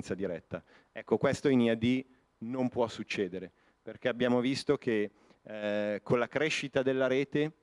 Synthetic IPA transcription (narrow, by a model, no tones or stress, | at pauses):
nt̪sad̪iɾɛt̪ːa | ɛkːokwest̪oiniad̪i | nompwɔsːut͡ʃːeːd̪eɾe | perkɛabːjaːmovist̪ok̟e | kʰːonlakɾeʃːit̪ad̪elːaɾeːt̪e